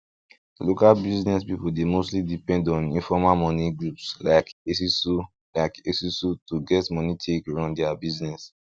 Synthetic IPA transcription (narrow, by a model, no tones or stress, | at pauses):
lokalbiznɛspipuldemostlidipɛ̃ndɔ̃nĩfɔmamɔniɡɹupslaɪkesisu | laɪkesisutuɡɛtmɔnitʰekɹãʊ̃ndɛabiznɛs